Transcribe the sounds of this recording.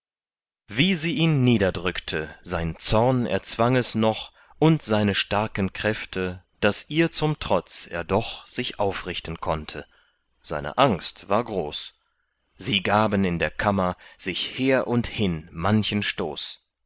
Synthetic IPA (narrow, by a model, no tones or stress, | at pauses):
viːziːʔiːnːiːdɐdʁʏktʰəzaɪnt͡sɔɐnɛ̰ɐt͡sv̥aŋɛsnɔχ | ʔʊntz̥aɪnəʃtaɐkənkʁ̥ɛftʰə | d̥asʔiːɐt͡sʊmtʁ̥ɔt͡sḛːɐdɔχz̥ɪçʔaʊfʁɪçtn̩kʰɔntʰə | z̥aɪnə̰ʔaŋstv̥a̰ːɐɡʁoːs | z̥iːɡaːbənɪndeːɐkʰamɐz̥ɪçheːɐʔʊnthɪnmançənʃto̰ːs